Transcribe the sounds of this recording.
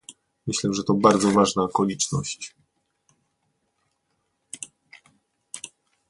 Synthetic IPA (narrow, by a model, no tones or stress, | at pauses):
mɘɕlɛʐɛt̪ɔbaɾd̪zɔvaʐnaːkɔlʲit͡ʂnɔɕt͡ɕ